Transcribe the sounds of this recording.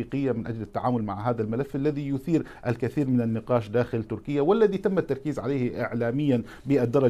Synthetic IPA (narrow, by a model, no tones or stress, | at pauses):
iqɪjːamɪnʔad͡ʒlat̪ːaʕaːmʊlma̰ʕɦaːðalmɪlafːʔalːaðijʊθiːɾʔalkaθiːɾmɪnanːɪqɑːʃd̪aːxɪlt̪ʊɾkɪjːawalːaðit̪amːat̪ːɑɾˤkiːzʕalajhʔɪʕlaːmɪjːan | bɪʔad̪ːɑɾˤːɑ